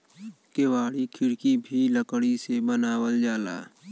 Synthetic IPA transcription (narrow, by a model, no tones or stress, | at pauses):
kewaːɽikʰɪɽkibʱiləkɽisebənaːwəld͡ʒaːla̰ː